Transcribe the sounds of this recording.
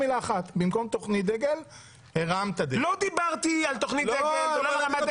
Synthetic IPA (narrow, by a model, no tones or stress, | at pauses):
ilaːχat̪bimko̞mt̪o̞χnit̚d̪eɡel | heʁamt̪ad̪elod̪ibaʁt̪ialt̪oχnitleɡolʁamad̪